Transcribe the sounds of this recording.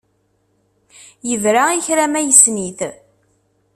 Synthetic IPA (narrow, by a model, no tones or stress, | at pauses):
jəðɾaiçɾæmæjəsniθ